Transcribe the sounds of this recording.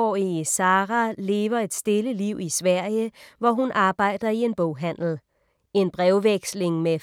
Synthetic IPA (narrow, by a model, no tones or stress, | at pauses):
isɑːʁæle̝ːʋɐe̝d̥sd̥e̝ləliʊ̰isʋæɐ̰jəʋɒɦunʔɑ̈ːb̥ɑ̈ɪ̰d̥ɐie̝nb̥ɔʊɦæn̰l̩ | e̝nb̥ʁɛʊʋeɡ̥sle̝ŋme